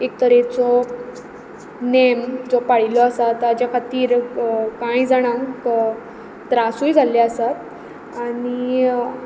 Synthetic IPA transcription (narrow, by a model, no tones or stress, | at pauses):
ek̚t̪əɾet͡sɔ | nemd͡zɔpaɽ̤ilɔasat̪ːad͡ʑakʰat̪iːɾkãjd͡zaɽ̃ãŋk | t̪ɾasujd͡zʱalaəsat̪ | aɽi